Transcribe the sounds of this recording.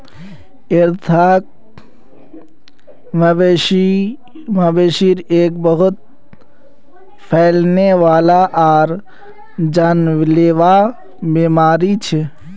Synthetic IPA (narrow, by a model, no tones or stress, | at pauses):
ɪɾt̪ʰaːk̚ | məbeʃi | mabeːʃiɾeːk̚bəɦʊt̪̚ | pʰɛːlneʋaːlaʔaːɾ | d͡ʒaːnʋleːʋa | beːmaːɾit͡ʃʰe